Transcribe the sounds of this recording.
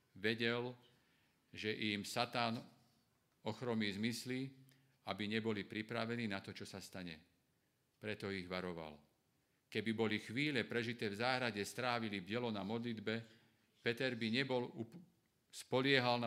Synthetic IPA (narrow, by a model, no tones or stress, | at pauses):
ʋɛɟɛl | ʒɛʔimsat̪aːn | ɔxɾɔmiːzmisli | abiɲɛbɔlipɾipɾaʋɛniːnat̪ɔt͡ʃɔsast̪aɲɛ | pɾɛt̪ɔiɣʋaɾɔʋa̰l | kɛbibɔlixʋiːʎɛpɾɛʒit̪ɛːvzaːɦɾaɟɛst̪ɾaːʋilibɛlɔnamɔd̪lid̪bɛ | pɛt̪ɛɾbiɲɛbɔlu | spɔlɪɛɦalna